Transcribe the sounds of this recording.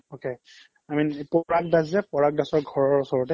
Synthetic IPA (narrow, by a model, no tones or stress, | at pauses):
oke | amipɔɹak̚daszɛpɔɹak̚dasɔɹɡʱɔɹɔɹusɔɹɔtɛ